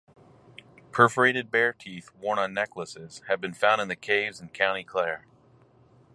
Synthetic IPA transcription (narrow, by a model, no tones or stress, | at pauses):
pʰɜ˞fə˞eɪɾɨd̚bɛɹtʰiθwɔɹnə̃nːɛkləsɪz̥ɨv̚bɨ̃nfãʊ̃ndɨ̃nðɨkʰeɪvzn̩kʰãʊ̃ɾ̃ikʰl̥ɛɹ